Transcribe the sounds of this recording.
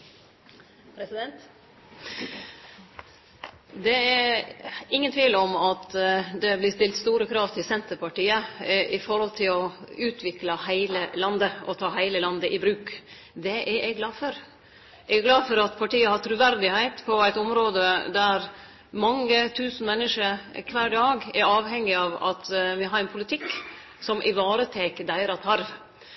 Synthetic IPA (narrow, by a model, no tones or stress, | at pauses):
pʰɾɛsɪd̪ɛnt̪ | d̪ɛæ | ɪŋːənt̪ʰʋiːləɔmɑt̪d̪ɛblɪst̪ɪlt̪st̪uːɾəkʰɾɑːʋt̪ʰɪlsɛnt̪əɾpɑʈiːəʔɪfɔɾhɔlt̪ʰɪlɔʉːt̪ʰʋɪklɑhæɪləlɑnd̪əɔ̰t̪ʰɑːhæɪləlɑnd̪əʔɪbɾʉːk | d̪ɛʔɛɛɡlɑːfɔɾ | ɛɡɡlɑːfɔɾɑt̪pʰɑʈiːəhɑɾt̪ʰɾʉʋæɾd̪ɪhæɪt̪pʰɔæɪt̪ɔmɾoːd̪əd̪æɾ | mɑŋːət̪ʰʉːsn̩mɛnːəʂəɾkʰʋæːɖɑːɡɛɾɑːʋɦɛŋːɪɑʋɑ̰t̪ʋɪɦɑɾɛnpʰʊlɪt̪ʰɪkː | sɔmʔɪʋɑːɾət̪ʰeːkəd̪æɪɾɑt̪ʰɑɾʋ